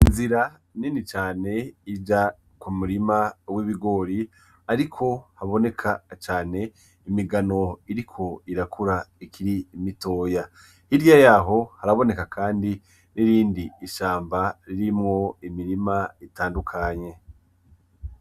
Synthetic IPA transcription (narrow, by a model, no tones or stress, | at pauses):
inziɾa | ninit͡ʃaːne̞id͡ʒa | kumuɾimawiβiɡo̞ːɾi | aɾikʰo̞haβo̞ne̞kʰat͡ʃaːne̞ | imiɡano̞iɾikʰo̞iɾakʰuɾaikʰiɾiːmito̞ːja | hiɾjajaːɦo̞haɾaβo̞ne̞kakʰaːndi | niɾiːndiːʃaːmbaɾiɾimŋo̞imiɾimaitaːndukʰaɲe̞